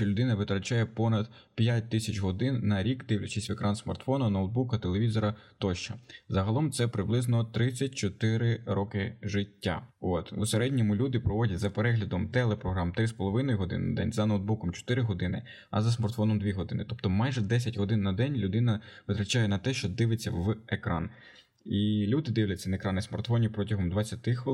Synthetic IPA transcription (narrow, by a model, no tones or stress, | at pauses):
ʃt͡ʃɔlʲʊd̪ɪnɐʋɪt̪ɾɐt͡ʃajɛpɔnɐd̪̥pʲjat̚ʲt̪ɪsʲɐt͡ʃɦɔd̪ɪnːɐɾʲikd̪ɪwlʲɐt͡ʃɪsʲʋekɾɑnsmɐrt̪fɔnɐnɔwd̪̚bukɐt̪elˠeʋʲizɔɾɐt̪ɔʃt͡ʃɐzɐɦɐlˠɔmt̪sɛpɾɪblˠɪznɔt̪ɾɪt͡sʲːɐt̚ʲt͡ʃɔt̪ɪɾɪɾɔkɪʒɪtʲːa̰ot̪useɾɛdʲnʲɔmʊlʲud̪ɪpɾɔʋɔdʲɐtʲzɐpeɾɛɦlʲɐd̪ɔmt̪ɛlˠɛpɾɔɦɾɑmt̪ɾɪspɔlˠɔʋɪnɔjɦɔd̪ɪ̰nnɐd̪ɛ̰nʲzɐnowd̪̚bukɔmt͡ʃɔ̥t̪ɪɾɪɦɔd̪ɪnɪ | ɐ̰zɐsmɐrt̪fɔnɔmd̪ʋʲiɦɔd̪ɪnɪt̪ɔpt̪ɔmɑjʒɛd̪ɛs̬ʲɐtʲɦɔd̪ɪnːɐd̪ɛnʲlʲʊd̪ɪnɐʋɪt̪ɾɐt͡ʃajɛnɐt̪ɛʃt͡ʃɔd̪ɪʋɪt͡sʲːɐʋekɾɑ̰n | ilʲud̪ɪd̪ɪʋlʲɐt͡sʲɐnɐekɾɑnɪsmɐrt̪fɔnʲipɾɔtʲɐɦɔmd̪ʋɐt͡sʲːɐt̪ɪxʋɪ